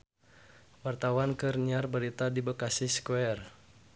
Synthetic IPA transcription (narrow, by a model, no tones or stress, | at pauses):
wart̪awankɨrɲiarbəɾit̪adibəkasiskuɛr